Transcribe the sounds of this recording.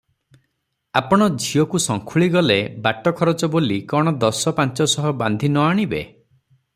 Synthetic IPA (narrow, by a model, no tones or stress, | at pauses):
apɔɽ̃ɔd͡ʒʱiɔkusɔŋkʰuɭiɡɔlebaʈɔkʰɔɾɔt͡ʃɔbolikɔɽ̃ɔd̪ɔsɔpant͡ʃɔsɔɦɔband̪ʱinɔaɽ̃ibḛ